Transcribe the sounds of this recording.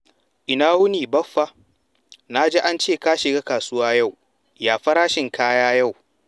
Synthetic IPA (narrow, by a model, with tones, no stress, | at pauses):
ʔɪ˨naː˦wʊ˦niː˨bɐ˦ɸːa˦ | na˦d͡ʒeː˦ʔa˦nt͡ʃeː˦˨ka˦ʃɪ˨ɡaː˦kaː˨sʊ˦waː˦ja˦˨w | jaː˨ɸɐ˦ɾaː˦ʃɪ˨ŋkaː˦jaː˦ja˦˨w